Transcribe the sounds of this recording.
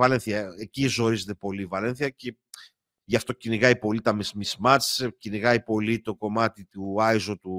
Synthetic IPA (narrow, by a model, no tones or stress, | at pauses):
vɐlenθiɐecizo̞ɾize̞t̪e̞po̞livɐle̞nθiɐce | ʝɐft̪o̞ciniɣɐjpo̞lit̪ɐmizmizmɐt͡sciniɣɐjpo̞lit̪o̞ko̞mɐt̪it̪uɐizot̪u